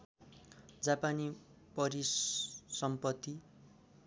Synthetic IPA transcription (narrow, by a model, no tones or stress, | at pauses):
d͡zapani | pʌɾissʌmpʌt̪ːi